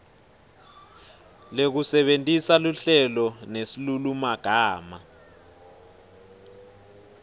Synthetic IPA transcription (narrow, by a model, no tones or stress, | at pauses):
lek̬usɛɓentʼisaluɬɛlɔnesilulumaɡ̥ʱaːma̰